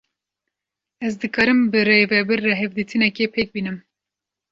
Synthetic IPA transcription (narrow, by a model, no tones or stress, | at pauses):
ɛzd̪ɨkɑːɾɨmbɨrevɛbɨɾːɛɦɛvd̪iːt̪ʰɨnɛkepʰeːk̚biːnɨm